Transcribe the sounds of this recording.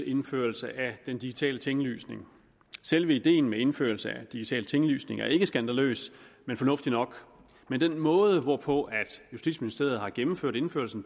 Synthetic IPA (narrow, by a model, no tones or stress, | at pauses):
e̝nfø̰ːɐl̩səʔæd̥end̥iɡ̥it͡sʰɛ̰ːlət͡sʰeŋly̰ːsne̝ŋ | selʋəid̥e̝̰ːn̩mee̝nfø̰ːɐl̩səæd̥iɡ̥it͡sʰɛ̰ːlt͡sʰeŋly̰ːsne̝ŋæɐe̝ɡ̥əsɡ̥ænd̥ælø̰ːsmenfɒ̽nɔ̽fd̥inɒ̽ɡ̥ | mend̥enmɔ̽ːð̞ˠəʋɒpʰɒ̽ʔæd̥jusd̥ḭd̥sminisd̥e̝ɐð̞̩ˠhɑ̈ɡ̥emm̩føɐ̰ɾ̥e̝nføɐlsn̩